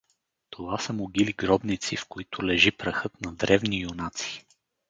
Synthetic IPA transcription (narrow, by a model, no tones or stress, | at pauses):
t̪ʰovasəmoɡiliɡɾɔbnit̪sifkoit̪ʊlɛʒipɾɐxɤt̪nɐd̪ɾɛvnijʊnat̪si̥